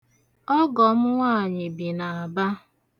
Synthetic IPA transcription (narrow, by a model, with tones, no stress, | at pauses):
ɔ˦ɡɔ˨mʊ˦ŋaː˦˨ɲɪ˨bi˨na˨a˨ba˦